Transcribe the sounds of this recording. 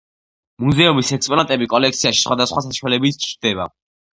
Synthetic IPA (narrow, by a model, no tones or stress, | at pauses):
muzɛumisɛkspʼɔnat̪ʼɛbikʼɔlɛk̚ʰt̪siaʃi̥sχwad̪asχwasaʃwalɛbit̪ʰt͡ʃʰɾd̪ɛba̰